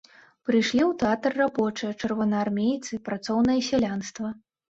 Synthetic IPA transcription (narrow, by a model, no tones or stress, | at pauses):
pɾɨjʂlʲiwt̪ɛat̪rːabɔt͡ʂɨjɐt͡ʂɨrvɐnɐarmʲejt̪sɨpɾat̪sɔwnɐjɐsʲalʲanst̪vɐ